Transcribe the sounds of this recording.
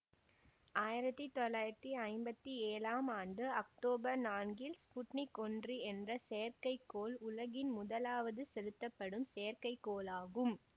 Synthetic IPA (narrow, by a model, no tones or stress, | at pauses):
aːjɪɾɐt̪ːit̪ɔlːaːjɪɾɐt̪ːiɐɪmbɐt̪ːieːlaːmaːɳɖɯɐk̚ʈoːbɐɾnaːnɡɪlspʊʈnɪkɔndriɛndrɐsejɐɾkɐɪkːoːlʊlɐɣɪnmʊðɐlaːʋɐðɯsɛɻɯt̪ːɐpːɐɽɯmsejɐɾkɐɪkːoːlaːɣɯm